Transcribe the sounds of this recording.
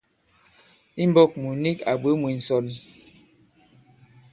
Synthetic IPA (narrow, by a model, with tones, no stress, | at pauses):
i˦m˦bɔ˦˨k̚mu˨ni˦ka˨bə˨˦mu˨n̩˨sɔ˨n